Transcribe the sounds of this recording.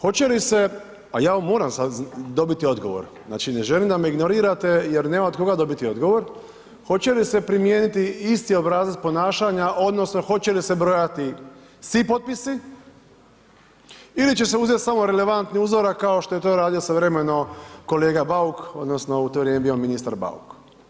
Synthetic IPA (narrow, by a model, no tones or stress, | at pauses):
xo̞t͡ɕe̞lise̞ | ajaːomːo̞ːɾamsad̪o̞bit̪io̞d̪ɡo̞̰ʋo̰ɾ | zna̰ːt͡ʃineʒelimd̪ameiɡno̞ɾiːɾat̪e̞jeɾneːmaod̪ko̞ɡad̪o̞bit̪io̞d̪ɡo̞ʋo̞ɾ | xo̞t͡ɕe̞lise̞pɾimje̞ːnit̪iist̪io̞bɾaːzlaspo̞naːʃaɲaʔo̞d̪no̞sno̞xo̞t͡ɕe̞lisebɾo̞jat̪i | sʋipot̪̚pisi | ilit͡ɕe̞seuzjet̪samo̞ɾele̞ʋant̪niuːzo̞ɾakkːaoʃt̪o̞je̞t̪o̞ːɾaːd̪iosaʋɾemenoko̞leːɡabauko̞d̪nosno̞ut̪oʋɾjemebio̞minist̪aɾba̰ṵk